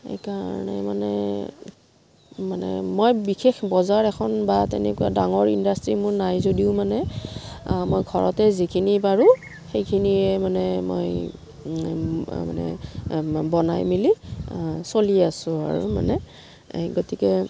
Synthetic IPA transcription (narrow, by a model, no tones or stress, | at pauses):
ḛkaɹnɛ̰manɛ | manɛ̰mojbixexbɔzaɹɛkʰɔnbatɛ̰nɛ̰kuwa̰daŋɔɹindastɹimʊɹnajzodiʊmanɛ | mojɡʱɔɹɔtɛzikʰinipaɹu | xejkʰiniɛmanɛmo̰j | manɛ̰ | bɔnajmili | soliasʊ̃a̰ɹṵma̰nɛ | ɡotikɛ